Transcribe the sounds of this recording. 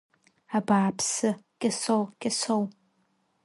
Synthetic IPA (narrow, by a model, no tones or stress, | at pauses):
abaːpʰsɨɡ̥ʲʼɪsowɡ̥ʲɪsow